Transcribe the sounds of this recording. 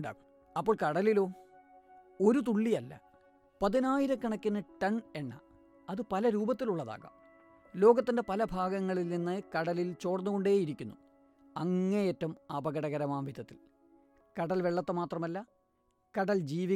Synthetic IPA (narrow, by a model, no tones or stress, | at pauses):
ɳɖa̰ːɐ | ɐpːo̞ːɭkɐɽɐlilo̞ː | o̞ɾut̪̬uɭːijɐlːɐ̰ | pɐðinaːjiɾɐkɐɳɐkʲːɐnːɐʈɐɳe̞nːɐ̰ | ɐðɨpɐlɐɾuːbɐt̪ːiluɭːɐða̰ːɣɐ̰m | lo̞ːɡɐt̪ːinde̞pɐlɐbʱaːɡɐŋːɐɭilninːɨkɐɽɐlilt͡ɕoːrɐnːuɣo̞ɳɖe̞ːjiɾikʲːunːu | ɐŋːɐneeːtːɐmɐbɐɣɐɽɐɣɐɾɐmaːmʋid̪ʱɐt̪ːil | kɐɽɐlʋeɭːɐt̪ːɐmaːt̪rɐmɐlːɐ | kɐɽɐld͡ʑiːʋi